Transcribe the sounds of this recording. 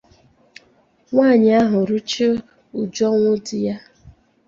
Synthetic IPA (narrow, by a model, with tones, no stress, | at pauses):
ŋʷaː˦˨ɲɪ˨a˦ɦʊ˨ɾu˦t͡ʃi˦ | u˨d͡ʒɔ˦ŋʷʊ˦dɪ˦ja˦